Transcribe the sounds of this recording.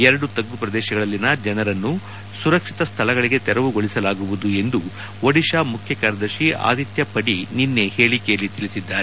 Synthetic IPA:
ɛɾɐɽut̪ɐɡːupɾɐd̪ɛːʃɐɡɐɭɐlːinɐd͡ʒɛnɐɾɐnːu | suɾɐkʂit̪ɐst̪ʰɐlɐɡɐɭiɡe̞t̪ɛɾɐʋuɡoɭisɐlaːɡuʋud̪ue̞nd̪u | ʋɐɽiʃaːmukʰjɐkɐːɾɐd̪ɐʃia̰ːd̪it̪jɐpɐɽininːe̞he̞ːɭikɛjɐlːit̪ilisid̪ːaːɾe

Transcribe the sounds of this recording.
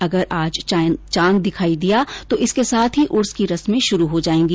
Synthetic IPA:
ɐɡəɾʔaːd͡ʒt͡ʃãːnd̪ɪkʰaːid̪ijat̪oʔɪskesaːt̪ʰɦiʔʊɾskiɾɐsmẽʃʊɾuɦod͡ʒaːẽːɡi

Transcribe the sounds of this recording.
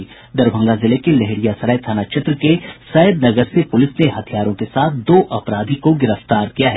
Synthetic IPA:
d̪ɐɾbʱə̃ŋɡazɪlekelɛɦɪɽijasɐɾəjt̪ʰaːnat͡ʃɪt̪ɾəkesɐəd̪̚nɐɡəɾsepʊlɪsneɦɐt̪ʰijaːɾõkesaːt̪̚ʰd̪oːʔɐpɾaːd̪ʱikoɡɪɾəft̪aːɾkijaɦɛː

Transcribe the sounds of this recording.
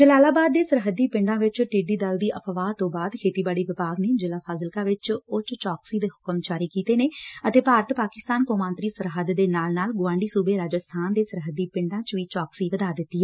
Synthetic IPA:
d͡ʒəlaːlaːbaːd̪ːeːsəɾɦəd̪ːiːpɪ̃ɳɖãːʋɪt͡ʃʈiːɖiːd̪əld̪iːʔəpʰʋaːt̪õːbaːd̪kʰeːt̪iːbaːɽiːʋɪpaːɡneːd͡ʒəlaːpʰaːzɪlkaːʋɪt͡ʃʊt͡ʃt͡ʃaːksiːd̪eːɦʊkəmt͡ʃaːɾiːkiːt̪eːneːət̪eːpaːɾət̪paːkɪst̪aːnkoːmaːnt̪ɾiːsəɾɦəd̪d̪eːnaːlnaːlɡʊʋãːɳɖiːsuːbeːɾaːd͡ʒəst̪ʰaːnd̪eːsəɾɦəd̪iːpɪ̃ɳɖãːt͡ʃʋiːt͡ʃaːksiːʋəd̪aːd̪ɪt̪ːiːɛ

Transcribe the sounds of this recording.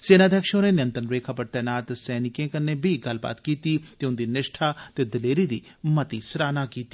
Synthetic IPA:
seːnaːd̪ʱjəkʃõːneːnɪjə̃nt̪ɾənɾeːkʰaːpəɾt̪ɛːnaːt̪sɛːnɪkẽːkənːeːbʱiɡɐlba̰ːt̪kiːt̪iːt̪eːʊnd̪iːnɪʃʈʰaːt̪eːd̪ɪleːɾiːd̪iː | mət̪iːsɾaːnaːkiːt̪i

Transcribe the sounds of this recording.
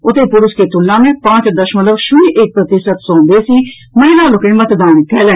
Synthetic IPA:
ʊt̪eːpʊɾʊskeːt̪ʊlːãːmẽːpãːt͡ʃd̪əʃmət̪ləbʃʊniːʔek̚pɾət̪ɪsət̪sõːnd̪eːsiː | məɦilaːlʊkẽːmət̪d̪aːnkɛːlɛ̃ː

